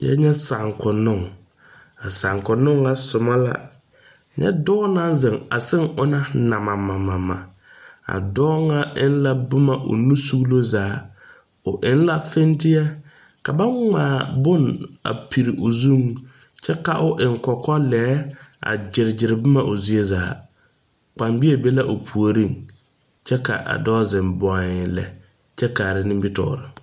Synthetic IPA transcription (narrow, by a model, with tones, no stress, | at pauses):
ja̰˦ɲɛ˦sa˨ŋkʊ˨nʊ˦˨ŋ | a˨sa˨ŋkʊ˨nʊ˦ŋa˦sʊ˨ma˦la̰˦ | ɲɛ̰˦dɔː˦na˦n˦zɪ˨ŋa̰˨sɪ˦ŋʊ˦na˦na˨ma˨ma˨ma˨ma̰˨ | a̰˨dɔː˦ŋa˦ʔɪ˦n˦la˦bʊ˦ma˦˨ʔʊ̰˨nu˦su˦ɣlo˦zaː˨˦ | ʊ˨ʔɪ˦n˦la˦fe˦ntɪ˦ja˦ | ka˨ba˦ŋaː˨˦˨bʊ˦na̰˨pʰi˨ɾɪ˨ʔʊ˨zu˦ŋ | t͡ʃɛ˦ka˨ʔʊ˨ʔɪ˨ŋkɔ˨kɔ˦lɛː˦a̰˨d͡ʒɪ˨ɾɪ˨d͡ʒɪ˨ɾɪ˨bʊ˦ma˨ʔʊ˨zi˨e˦zaː˨˦ | k͡pa˨mbi˦e˨be˦la˦ʔʊ˨pʰu˨o˨ɾi˦˨ŋ | t͡ʃɛ˦ka̰˨ʔa̰˨dɔː˦zɪ˨mbɔ˨ɪ˨lɛ̰˨ | t͡ʃɛ˦kaː˨ɾɪ˦nɪ˦mbɪ˦tɔ̰ː˦˨ɾɪ˨